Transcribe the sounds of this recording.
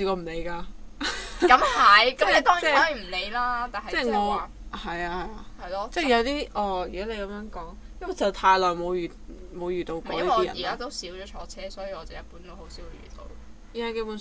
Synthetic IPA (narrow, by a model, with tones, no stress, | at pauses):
i˧kɔː˧m̩˨˩le˨˧jkaː˧ | kɐ˨˧˥mhɐ˨˩jkɐ˨˦me˨˧t̪ɔː˥ŋɛ˨˥ɔ˨˥e˨˩m̩˨˩le˨˧jlaː˥t̪aː˨nɦɐ˨t͡sɛː˥˩jŋɔː˨˧waː˨ | hɐ˨jaː˧hɐ˨jaː˧hɐ˨jlɔː˥t͡sɛː˥˩jɐ˨˧wt̪iː˥ʔɔː˧˩jyː˨˩ɔ˨˥le˨˧jkɐ˨˦mjœː˨˥ŋkɔː˨˥ŋ | jɐ˥mwɐ˨t͡sɐ˨˩wt̪ʰaː˧jlɔː˨˩jmo˨˧wː | mo˨˧wjyː˨˩t̪o˧wkɔː˨˧jɐ˨ɔiː˨˥jɐ̰˨˩˨i˨kaː˥t̪o˥wsiː˨˥wt͡ʃɔː˨˥t͡ʃʰɔː˨˥t͡sʰɛː˥sɔː˨˥jiː˧wɔː˨˧t͡sɐ˨wjɐ˨t̚puː˨˥nt̪o˥who˨˥wsi˨˥wjy̰ː˨˩t̪o̰˧w | jɛ˨˧ke˥˧˥pu˨˧n